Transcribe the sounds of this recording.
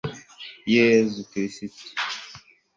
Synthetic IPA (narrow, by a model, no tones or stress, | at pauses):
jezukiɾisiti̥